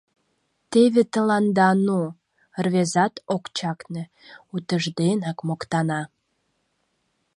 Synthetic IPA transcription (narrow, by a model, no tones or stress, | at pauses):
t̪eβet̪əlɑnd̪ɑno | rβezɑt̪okt͡ɕɑkne | ut̪əʒd̪enɑkmokt̪ɑnɑ